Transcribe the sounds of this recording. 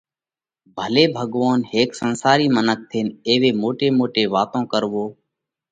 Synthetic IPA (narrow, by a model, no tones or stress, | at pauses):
bʱəleːbʱəɠʋaːnheːksənsaːɾiːmənək̚t̪ʰeːneːʋeːmoːʈeːmoːʈeːʋaːt̪õːkəɾʋoː